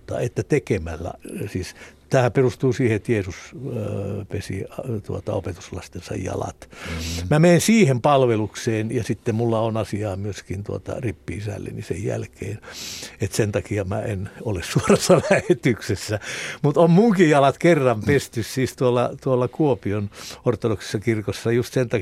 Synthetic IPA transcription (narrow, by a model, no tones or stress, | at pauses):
t̪ːɑ̰et̪ːæt̪ekemælːæ̰siːst̪æːhæperust̪uːsiːheet̪jeːsus | pesḭt̪uot̪ɑo̰pet̪u̥slɑst̪ensɑ̰jjɑ̰lɑ̰t̪mæmeinsiːhempɑlʋelukseːnjɑsit̪ːemmulːɑonɑsiɑːmyøskint̪uot̪ɑ̰ripːiisæ̰lːḛnisḛjjæ̰lkḛːnet̪sent̪ɑkiɑmæ̰enolessuoresːɑlæhet̪yksesːæmut̪ommuŋkijɑlɑt̪kerːɑmpest̪yssiːst̪uolːɑt̪uolːɑkuopionort̪ːodokse̥sːɑkirkosːɑjust̪sent̪ɑ